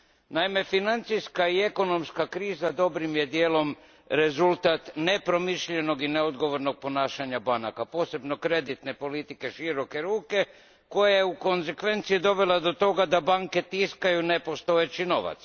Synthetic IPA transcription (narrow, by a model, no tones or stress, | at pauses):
naime̞finant̪sijskaie̞ko̞no̞mskakɾiːzad̪o̞bɾimje̞d̪jeːlo̞m | ɾe̞zulˠt̪at̪ne̞pɾo̞miʃʎe̞no̞ɡineod̪ɡo̞ʋo̞ɾno̞ɡ̚po̞naːʃaɲabana̰kapo̞ːse̞bno̞kɾe̞d̪it̪ne̞po̞lit̪ike̞ʃiɾo̞ke̞ɾuːke̞ | ko̞jajeuko̞nze̞kʋe̞nt̪sijid̪o̞ʋe̞lad̪o̞t̪o̞ɡad̪abaŋke̞t̪iskajunepo̞st̪o̞jet͡ɕino̞ʋa̰t̪s